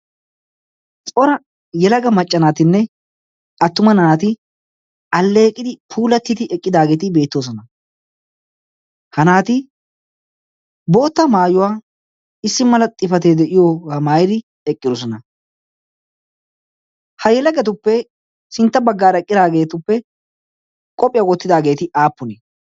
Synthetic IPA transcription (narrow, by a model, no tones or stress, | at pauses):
t͡sʼɔɾɐ | jɛlɐɡɐmɐt͡ʃʼːɐnaːt̪ɪnːɛ | ɐt̪ːʊmɐnaːt̪ɪ | ɐlːeːkʼːɪd̪ɪpʰuːlɐt̪ːɪt̪ɪɛkʼːɪd̪aːɡe̞ːt̪ɪbe̞ːt̪ːo̞ːs̬ɔnɐ | hɐnaːt̪ɪ | bo̞ːt̪ːɐmaːjʊwaː | ɪsːɪmɐlɐt̪ʼɪfɐt̪ed̪ɛʔɪjoːɐmaːjd̪ɪ | ɛkʼːɪd̪ɔs̬ɔnɐ | hɐjɛlɐɡɛt̪ʊpːɛ | sɪnt̪ːɐbɐɡːaːɾɛkʼːɪd̪aːɡe̞ːt̪ʊpːɛ | kʼɔpʼɪjawɔt̪ːɪd̪aːɡeːt̪ɪʔaːpːʊne